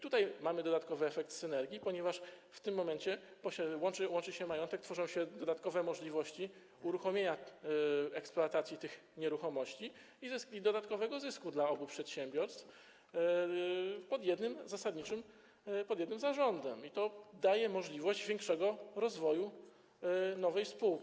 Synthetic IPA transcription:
t̪ut̪ajmamɘd̪ɔd̪at̪̚kɔvɘɛfɛkt̪sɘnɛɾɡʲipɔɲɛvaʂft̪ɘmːɔmɛɲt͡ɕɛpɔɕɛwɔnt͡ʂɘwɔnt͡ʂɘɕɛmajɔnt̪ɛkt̪fɔʐɔ̃w̃ɕɛd̪ɔd̪at̪kɔvɛmɔʐlʲivɔɕt͡ɕi | uɾuxɔmʲjeɲa | ɛkspluat̪at̪sʲjit̪ɘx | ɲɛɾuxɔmɔɕt͡ɕi | izsid̪ɔd̪at̪kɔvɛɡɔzɘskud̪laɔbupʂɛt̪ɕɛmbʲjɔɾst̪f | pɔd̪jɛd̪nɘmzasad̪ɲit͡ʂɘm | pɔd̪jɛd̪nɘmzaʐɔnd̪ɛmit̪ɔd̪ajɛmɔʐlʲivɔʑd͡ʑvʲjɛŋkʂɛɡɔɾɔzvɔju | nɔvɛjspuwkʲi

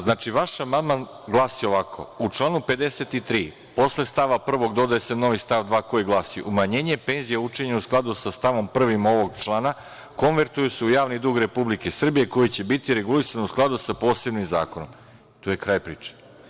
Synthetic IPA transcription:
znaːt͡ʃiʋaʃamad̪man | ɡlˠaːsio̞ʋakʰo̞̰ut͡ʂlˠaːnupe̞d̪e̞se̞t̪it̪ɾiː | po̞sle̞st̪aʋapr̩ʋo̞ɡd̪o̞d̪aeseno̞ʋist̪aʋd̪ʋaːko̞jiɡlˠaːsiʔumaɲe̞ːɲe̞pe̞ːnzijaut͡ʃe̞ɲausklˠad̪usast̪aʋo̞mpr̩ʋimo̞ʋo̞ɡt͡ʃlˠaːna | ko̞nʋe̞ɾt̪ujuseujaːʋnid̪uːɡɾe̞publike̞sr̩bijeko̞jit͡ɕe̞bit̪iɾe̞ɡulisanusklˠad̪usapo̞ːse̞bnimza̰ːko̞no̞̰m | t̪oje̞kɾaːjpɾiːt͡ʂe̥

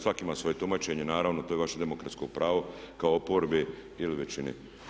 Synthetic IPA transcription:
sʋakimasʋo̞jet̪umaːt͡ɕe̞ɲenaːɾaːʋnot̪oːje̞ʋaʃed̪emokɾat̪sko̞pɾʔaːʋokaoopoɾbe | iliʋet͡ɕinḛ

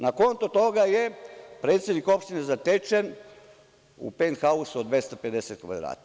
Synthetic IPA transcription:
nako̞nt̪ut̪o̞ɡajepɾe̞ːt̪sjed̪niko̞pʃt̪inezat̪et͡ʃen | ṵpenxausuod̪ʋest̪ope̞d̪eset̪̚kʋa̰d̪ɾa̰ːt̪

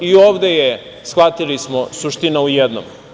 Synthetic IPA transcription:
ioːʋd̪eje | sxvat̪ilismosuʃt̪inaujɛd̪no̰m

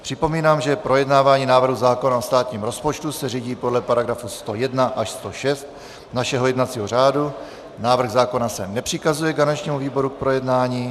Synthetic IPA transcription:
pr̝̥ɪpo̞miːnaːmʒɛpɾo̞jɛdnaːvaːɲiːnaːvr̩ɦuzaːko̞naost̪aːt̪ɲiːmɾo̞spot͡ʃt̪usɛriːɟiːpo̞dlɛpaɾaɡɾafust̪o̞jɛdnaʔaʃst̪o̞ʃɛst̪̚ | naʃɛɦo̞jɛdnat͡siːɦor̝aːdu | naːvr̩ɣzaːko̞nasɛnɛpr̝̥ɪkazujɛɡzanɛt͡ʃɲiːmuviːbo̞ɾuk̚pɾo̞jɛdnaːɲiː

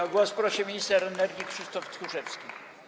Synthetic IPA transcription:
aɡwɔspɾɔɕɛmʲiɲist̪ɛɾɛnɛɾɡʲikʂɨst̪ɔft̪xuʂɛfskʲi

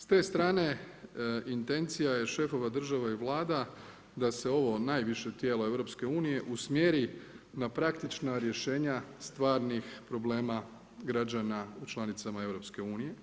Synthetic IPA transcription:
st̪e̞ːst̪ɾaːne̞ | int̪e̞nt̪sijaje̞ʃe̞fo̞ʋad̪r̩ʒaʋaiʋlˠaːd̪a | d̪ase̞o̞ʋo̞naːjʋiʃe̞t̪je̞ːlo̞e̞ʋɾo̞pske̞uːnije̞ʔusmjeɾi | napɾakt̪it͡ʃnaɾje̞ʃe̞ːɲast̪ʋaːɾnixpɾo̞ble̞ːma | ɡɾad͡ʑanaut͡ʃlˠanit̪samae̞vɾo̞pske̞uːnije̞

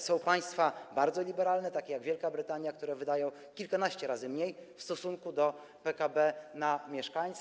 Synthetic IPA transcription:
sɔ̃w̃paj̃st̪fabaɾd̪zɔlʲibɛɾalnɛt̪akʲejaɡvjɛlkabɾɘt̪aɲjak̚t̪uɾɛvɘd̪ajɔ̃w̃ | kʲilkanaɕt͡ɕɛɾazɘmɲejfst̪ɔsuŋkud̪ɔ | pɛkabɛnamʲjɛʂkaɲt̪s

